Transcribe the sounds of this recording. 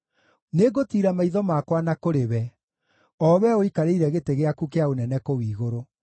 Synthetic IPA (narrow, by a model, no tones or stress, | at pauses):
neɡotiɾamaiðɔmakwanakoɾeβɛ | ɔβɛoikaɾeiɾɛɣeteɣeakukeaonɛnɛkowiːɣoɾo